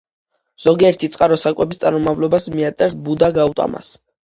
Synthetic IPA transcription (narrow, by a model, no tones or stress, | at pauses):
z̥ɔɡiɛɾt̪ʰit̪sʼqʼaɾɔsakʼwɛbist̪sʼaɾɔmavlɔbasmiat̪sʼɛɾsbud̪aɡaut̪ʼa̰ma̰s